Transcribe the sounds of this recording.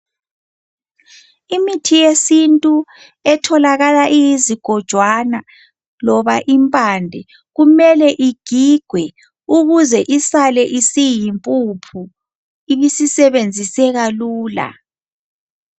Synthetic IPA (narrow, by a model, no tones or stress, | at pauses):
imitʰijesintʼu | ɛtʰɔlaɣalaʔijiziɡ̥ʱɔd̥ʒ̥ʱwana | lɔβaʔimpʼandʱɛ | ɣumɛlɛʔiɡ̥ʱiɡ̥ʱwɛ | uɣuzɛʔisalɛʔisijimpʼupʰu | iβisisɛβend͡zʱisɛɣaluːla̰